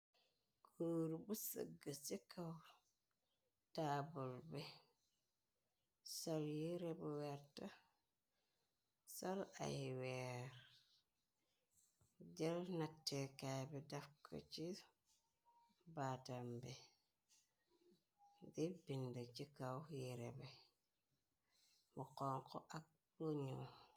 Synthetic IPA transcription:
koːɾubusə̰ɡːəsikaw | taːbulbɛ | sɔljiɾɛbuwɛɾta | sɔla̰jwɛɾ | ɟelnatːekajbidafkʰo̰t͡ʃi | batambi | dibindət͡ʃikawjiɾḛbi | muqɔŋko̰ʔak̚ | loɲu

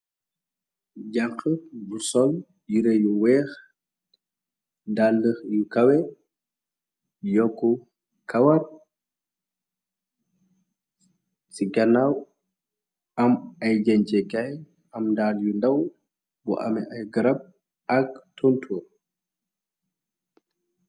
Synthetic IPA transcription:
ɟɐkːəbusɔl | jiɾejuwɛːx | ndalːəxjukɐwɛ | jɔkːu | kɐwɐr | siɡɐnaw | ɐmɐjɟɛɲt͡ʃɛkɐj | ɐmndaːljundɐw | bṵʔɐ̰mɛʔɐjɡɐɾɐb̚ | ɐk̚tʰɔntʰuːr

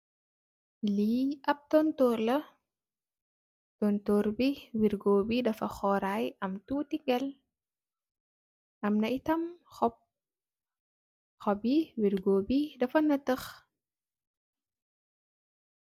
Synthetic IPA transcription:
liːɐp̚tontoɾlə | tontoɾbiwiɾɡoːbidɐfɐxɔɾajʔɐmtutiɡɛl | ʔɐmnɐʔitɐmxɔp̚ | xɔbiwiɾɡobidɐfɐnətəx

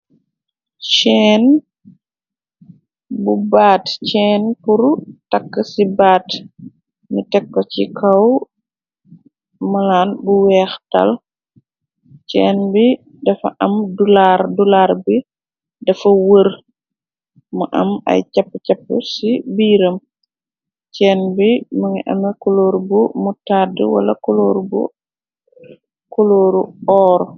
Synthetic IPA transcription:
ʃɛːn | bubaːtt͡ʃɛːnpuɾtɐkːəsibaːt | nitɛkːɔt͡ʃikʰɐw | mɐlaːnbuwɛːxtɐ̰l | t͡ʃɛːnbi | dɐfɐ̰ʔɐmdulaɾdulaɾbi | dɐfɐwəɾ | mɐʔɐ̰ma̰jcɐpːcapːə̰sibiːɾɐm | t͡ʃɛːnbiməŋiʔɐ̰mɛkoloːɾbumutaːdə̰wɐ̰lɐ̰koloɾbṵ | koloːɾuɔːɾɔ

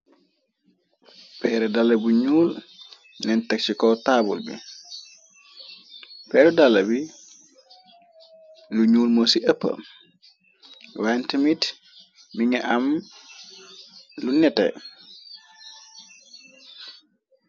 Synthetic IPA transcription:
pɛɾɛdalːabuɲuːl | nɛntɛk̚t͡ʃikɔtaːbulbḭ | pɛːɾɛdalːabi | luɲuːlmosiʔəpːə̰ | wantimit | miŋɛʔam | lunɛtɛ̰

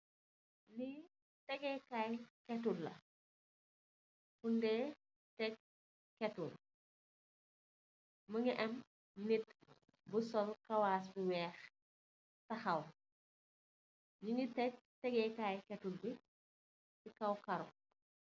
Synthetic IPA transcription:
ni | tɛɡɛkajkɛtːulːɐ̰ | kundɛː | tɛk̚ | kɛtːul | mɐŋiʔɐm | nit | busɔlkɐwaːs̬buwɛːx | tɐxɐw | ɟiŋitːɛk̚tɛɡɛkajkɛtulbi | tikɐwkɐɾɔ

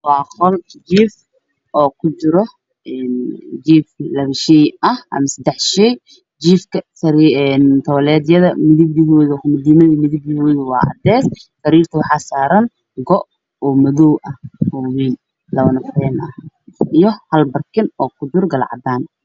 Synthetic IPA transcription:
wɑːχɔld͡ʒiːf | ʔɔːkʰʊd͡ʒɪɾɔ | ɛːnd͡ʒiːflɐβʃɛjʔɐhʔɐ̰mɐsɐd̪ɛħʃɛj | d͡ʒiːfkʰɐsɐɾnt̪ʰɐwɐlɛːd̪jɐðɐmɪðɪbjɪɦɔːðʊmɐd̪imɐðimɪðɪbjɪɦɔːðɪwɑ̰ːʔɑ̰d̪ɛːssɐɾiːrt̪ʰɐwɑħɑːsaːɾɐn | ɡɔʔ | ɔːmɐðɔwʔɐhhuːwiːn | lɐβɐnɐfrɛːnʔɐh | ijɔhɐlbɐrkʰɪnɔːkʰʊd͡ʒɪrɡɐl̰ʕɑ̰d̪aːn

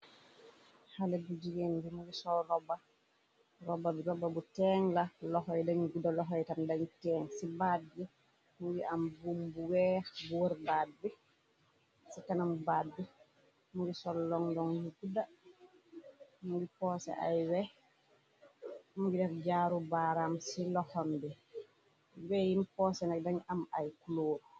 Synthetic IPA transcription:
halɛbud͡ʒiɡenbimuɡisɔɾɔba | ɾɔbːabiɾɔbːabutɛŋlalɔɦɔjdaɲɡudalɔɦɔjtandaɲtɛːŋsibad̚bi | muɡiʔambumbuwɛbuwaɾbad̚bɛ | sikanamubad̚bɛ | muɡisɔlːɔŋdɔŋjuɡuda | muɡipɔːsɛ̰ʔa̰jwɛ | muɡidɛfd͡ʒaɾubaːɾamsilɔhɔmbɛ | wɛjimpɔsɛnaɡ̚daɲamajkuloːdu

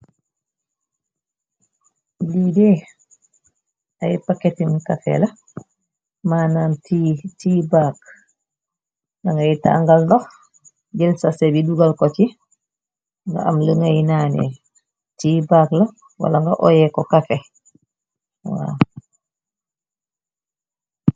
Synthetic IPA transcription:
lidɛ | ʔajpakːetimkafɛ̰la | maːnantitiːbak | ŋɡaŋɡajita̰ŋɡalnɔh | d͡ʒɛlsasɛbiduɡalkɔt͡ʃi | ŋɡa̰amləŋajnaːnɛ̰ | tiːbaːkla | wa̰laŋɡa̰ʔɔjɛkɔkafɛ | wa̰

